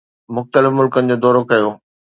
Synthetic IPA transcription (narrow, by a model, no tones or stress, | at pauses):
mʊxt̪əlɪfmʊlkənɪ̆d͡ʑoːd̪ɔːɾokɐjoː